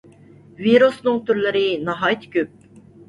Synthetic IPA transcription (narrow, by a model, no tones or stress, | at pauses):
viɾusnɨŋt̪ʰyɾlɪɾɨnɑɦɑjt̪ʰy̥kʲyp̚